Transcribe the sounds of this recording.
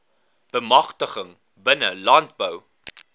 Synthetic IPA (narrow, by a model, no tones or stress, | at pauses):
b̥əmɐχtəχəŋ | bənəlɐnt̚bəw